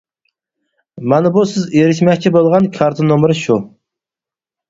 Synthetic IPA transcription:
mɑnɪbusɪzeɾɪʃmɛkʲt͡ʃʰibolˠʁɑnkʲʰɑɾt̪ʰɨnomɾɨʃu

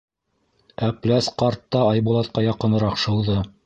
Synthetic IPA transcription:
æplæsqɑɾt̪ːɑːjbulˠɑt̪̚qɑjɑqɤ̆nɤ̆ɾɑqʃɤ̆w̪ˠðɤ

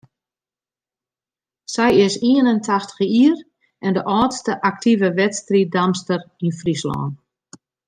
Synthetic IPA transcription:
sɛjɪsiənəntʰaxtə̥xiːr | ʔɛndəʔɔːtstəʔak̚tʰivəʋɛtstridamstərinfrislɔ̰ːn

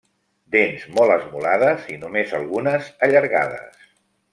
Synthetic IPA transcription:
d̪enzmɔlˠəzmulað̞əzinumezəlˠɣunəzəʎəɾɣa̰ðə̰s

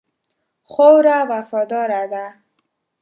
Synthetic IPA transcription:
χowɾawafɔd̪ɔɾad̪a

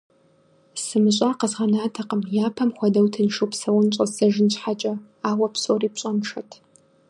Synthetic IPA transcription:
sɨmɨɕʷʼaqəzʁɐnaːtʰɐqəmjaːpʰɐmχʷɔdɐwtʰɨnʂupsɐwʊnt͡ʃʷʼɐɐʒɪnɕħat͡ʃʼɐ | aːwɐpsoriːpɕʼɐmʂɐtʰ

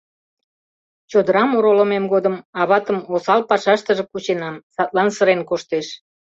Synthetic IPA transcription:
t͡ɕod̪əɾɑmoɾoləmemɡod̪əmɑβɑt̪əmosɑlpɑʃɑʃt̪əʒĕkut͡ɕenɑmsɑt̪lɑnsəɾenkoʃt̪eʃ

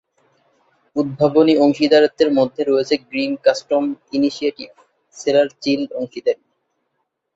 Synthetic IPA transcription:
ud̪̚bʱabonioŋʃid̪aɾat̪ːeɾmod̪ʱːeɾoet͡ɕʰeɡɾinkasʈominiʃiaʈib | selaɾt͡ɕiloŋʃid̪eɾ

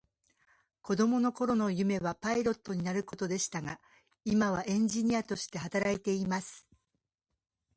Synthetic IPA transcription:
ko̞d̪o̞mo̞no̞ko̞ɾo̞no̞jɯ̟me̞βapaiɾo̞t̪ːo̞ɲ̟inaɾɯ̟ko̞t̪o̞d̪e̞ɕi̥t̪aɡa | imaβ̞aʔẽ̞ɲ̟d͡ʑiɲ̟iat̪o̞ɕi̥t̪e̞ɦat̪aɾait̪e̞imasɨ̥

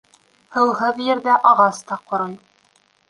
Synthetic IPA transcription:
hɤ̆wɦɤðjɘ̆ɾðæʔɑʁɑst̪ɑqŏɾɤj

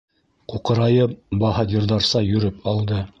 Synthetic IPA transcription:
quqɤ̆ɾɑjɤp̚bɑɦɑd̪ʲĭɾðɑɾsɑjɵ̆ɾɘpɑlˠd̪ɤ

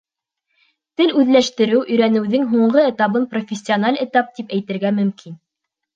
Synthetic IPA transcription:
t̪ɘlʉðlæʃt̪ɘ̆ɾɘwʔɵ̆jɾænɘ̆wðɘŋɦuɴɢɤĕt̪ɑβɤnprofʲɪsʲːionalʲɘ̆t̪ɑp̚t̪ipæjt̪ɘ̆ɾɡæmɵ̆mkʰin

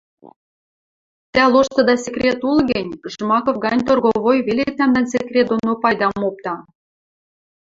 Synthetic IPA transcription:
t̪æloʃt̪ɤ̆d̪ɑsʲekrʲet̪ulɡɘ̆nʲəʃmɑkofɡɑnʲt̪orɣoβojβelʲet̪̚næmd̪æns̬ʲekrʲet̪̚d̪onopɑjd̪ɑmop̚t̪ɑ

